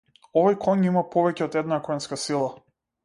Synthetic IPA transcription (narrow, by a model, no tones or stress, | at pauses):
ɔvɔjkʰɔɲimapɔvɛcɛɔt̪ɛd̪nakɔnskasilˠa